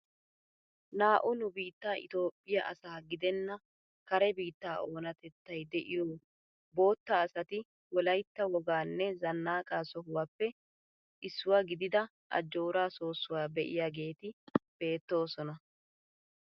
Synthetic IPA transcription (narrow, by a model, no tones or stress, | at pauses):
naːʔʊnʊbiːt̪ːaːʔɪ̰t̪o̞ːpʼːɪjɐʔɐ̰saːɡɪd̪ɛnːɐ | kɐɾɛbiːt̪ːaːʔo̞ːnɐt̪ɛt̪ːɐjd̪ɛʔɪjoː | bo̞ːt̪ːaːsɐt̪ɪ | wɔlɐjt̪ːɐwɔɡaːnːɛzɐnːaːkʼaːsɔɦʊwaːpːɛ | ʔɪsːʊwaːɡɪd̪ɪd̪ɐ | ʔɐ̰d͡ʒːoːɾaːso̞ːsːʊwaːbɛʔɪ̰jaːɡe̞ːt̪ɪb̥e̞ːt̪ːo̞ːsɔnɐ